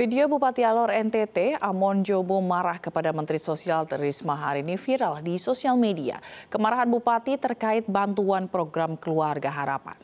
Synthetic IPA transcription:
fideobupat̪ialɔɾɛnt̪ɛt̪eamɔnd͡ʒobomaɾahkəpadamənt̪ɾisosialt̪əɾismaɦaɾinifiɾaldisosialmedia̰kəmaɾaɦanbupat̪it̪ərkaɪt̪̚bant̪uanpɾoɡɾamkəluarɡaɦaɾa̰pa̰n

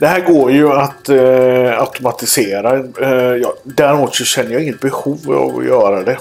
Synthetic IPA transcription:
d̪ɛɦæːɾɡoːɾjɵat̪ | aʊt̪ʊmat̪ɪseːɾajɑːd̪æɾɪmuːt̪sɔɕɛnːəɾjɑɪŋːət̪̚bɛhuːva̰vɔ̰jœːɾad̪ɛ

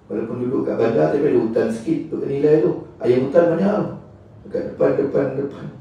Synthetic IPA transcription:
walawpʊndudʊʔka̰ʔbandaʔt̪apaduut̪ansə̥kit̪̚t̪uʔənilajt̪ua̰jamut̪anbaɲaŋ | ka̰ʔdəpandəpandəpan

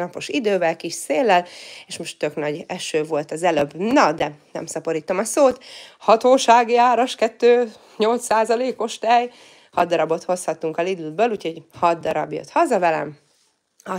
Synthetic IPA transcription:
ɒpo̞ʃid̪øːvɛlkiʃseːlːɛleːʃmo̞ʃt̪ːøknɒɟɛʃøːvo̞lt̪ɒzɛløbːnɒd̪ɛnɛ̰msɒpo̞ɾiːt̪o̞mɒsoːt̪hɒt̪oːʃaːɡiaːɾoʃkɛt̪ːøː | ɲo̞lt̪ssaːzɒleːko̞ʃt̪ɛj | hɒd̪ːɒɾɒbo̞t̪ho̞shɒt̪ːuŋkɒlid̪ud̪bøːluːcho̞ɟhɒd̪ːɒɾɒ̰bjø̰t̪hɒzɒvɛlɛ̰m | ɒ

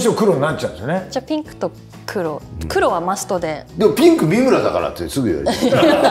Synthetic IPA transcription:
ɕiakɯ̟ɾo̞ɲinat͡ɕːãɯ̃d̪esoned͡ʑapʲĩŋkɯ̟̥t̪o̞ | kʰɯ̟ɾo̞kɯ̟ɾo̞βamasɨ̥t̪o̞d̪e̞d̪emopʲĩŋkɯ̟mʲimɯ̟ɾad̪akaɾa̰t̪esɨɡɯj̰a̰ɾ̰

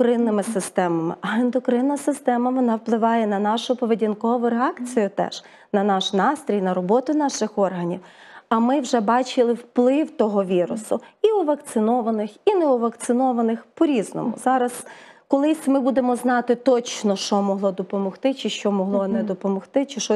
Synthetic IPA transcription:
kɾɪnːɪmɪsɪst̪ɛmɐmɪ̰ʔɐɪnd̪ɔkɾɪnːɐsɪst̪ɛmɐʋɔnɑwplˠɪʋɑjɛnɐnɑʃʊpɔʋedʲinkɔʋʊɾeɑkt͡sʲijʊt̪ɛ̰ʒ̥ | nɐnɑʃnɑst̪ɾʲijnɐɾɔbɔt̪ʊn̪ɑʃɪxɔrɦɐnʲiwɐmɪwʒɛbɑt͡ʃɪlˠɪwplˠɪwt̪ɔɦɔʋʲiɾʊsʊiʊʋɐkt̪sɪnɔʋɐnɪxineɔʋɐkt̪sɪnɔʋɐnɪxpɔɾʲiznɔ̰mʊ̰zɑɾɐskɔlˠɪsʲmɪbud̪emɔznɑt̪ɪt̪ɔt͡ʃnɔʃɔmɔɦlˠɔd̪ɔpɔmɔxt̪ɪt͡ʃɪʃt͡ʃɔmɔɦlˠɔnɛd̪ɔpɔmɔxt̪ɪt͡ʃɪʃɔ

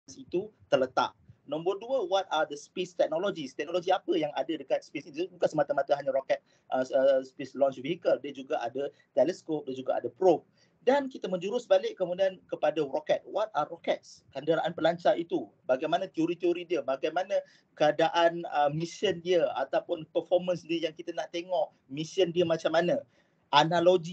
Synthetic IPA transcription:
sit̪ut̪ərlət̪a̰ʔ̚nɔ̃mbərduəwɔt̪̚ad̪əspest̪ɛk̚nɔlod͡ʒist̪ɛk̚nlod͡ʒiapəjaŋa̰dadəkat̪̚spesiibukansəmat̪amãt̪əɦaɲaɾɔkɛt̪̚ | ʔəəspeslɔ̃nt͡ʃviɦikəldiəd͡ʒuɡaʔa̰da | t̪ɛlɛskop̚dad͡ʒuɡaʔa̰dəpɾop̚ | dankit̪amə̃ɲd͡ʒuɾʊsbalɪʔkːəmũdiankəpadarɔkɛt̪̚wat̪̚arɔkɛt̪̚skandəɾaʔanpəlaɲt͡ʃait̪u | baɡajmanãt̪ioɾit̪eoɾidiəbaɡajmanã | kəadaʔanəmisiəndiəa̰t̪apʊnpərfɔrmə̃nsəndiijaŋkit̪ənaht̪eŋɔʔ | misiəndiəmat͡ʃamanã | ʔanaloɡi

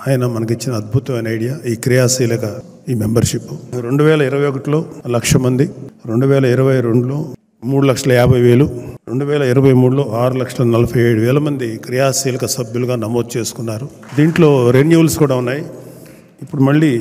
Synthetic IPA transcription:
aːjɐnɐmɐnɐk̬it͡ʃːinɐːd̪̚bʱut̪ɐʋɐjnɐɐjɽijaːiːkɾijaːsiːlɐkɐ | iːmembɐɾʃipːuɾe̞ɳɖuʋɛːlɐiɾɐʋɐjokɐʈlo̞ːlɐkʂɐmɐnd̪iɾe̞ɳɖuʋɛːlɐiɾɐʋɐjɾe̞ɳɖulo̞ː | muːɽulɐkʂɐlɐɛːbʱɐjʋeːluɾe̞ɳɖuʋɛːlɐiɾɐʋɐjmuːɽulo̞ːaːɾulɐkʂɐlɐnɐlɐpʰɐjeːɽuʋɛːlɐmɐnd̪ikɾijaːsiːlɐkɐsɐbjuluɡaːnɐmo̞ːd̪̚t͡ʃe̞ːsu̥kunːaːɾu | d̪iːɳʈlo̞ːɾenjuːlskuːɽaːunːaːji | ipːuɽumɐɭːi

